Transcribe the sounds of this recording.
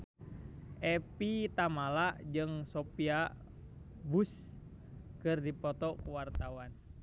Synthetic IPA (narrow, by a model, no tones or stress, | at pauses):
ʔɛpit̪amalaʔd͡ʒɨŋsopia | bus | kɨrdipɔt̪ɔkuwart̪awan